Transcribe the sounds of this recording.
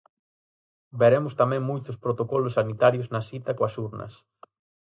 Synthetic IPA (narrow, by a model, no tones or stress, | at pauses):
beɾemʊst̪amɛ̃ŋmujt̪ʊspɾot̪okɔlʊsːanit̪aɾjoznɐsit̪ɐkoɐsuɾnɐ̰s